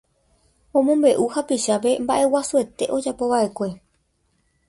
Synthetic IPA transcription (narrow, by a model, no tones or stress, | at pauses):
õ̞mõmbe̞ʔuhapiʃap̬e̞mbaʔe̞wasue̞t̪e̞ʔo̞d͡ʒapo̞ʋaʔe̞kʷe̞